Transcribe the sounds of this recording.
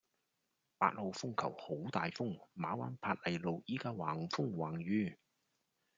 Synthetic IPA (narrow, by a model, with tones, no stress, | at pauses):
pa̰ː˧t̚ho˨˧wfʊ˥ŋkʰɐ̰˨˩who˨˥wt̪aː˨jfʊ˥ŋmaː˨˥waː˨˥npʰaː˧t̚lɐ˨˩jlo˨˧wjiː˨˥kaː˧waː˨˩ŋfʊ˥ŋwaː˨˩ŋjyː˧˥